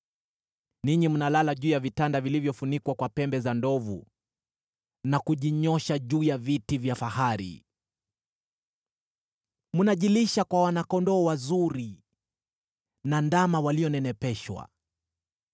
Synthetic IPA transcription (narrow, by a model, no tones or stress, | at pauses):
niɲimunalalaʄuːjavitandavilivjɔfunikwakwapɛmbɛzandɔvṵ | nakuʄiɲɔʃaʄuːjavitivjafahaɾḭ | munaʄiliʃakwawanakɔndɔːwazuɾi | nandamawaliɔnɛnɛpɛʃwa̰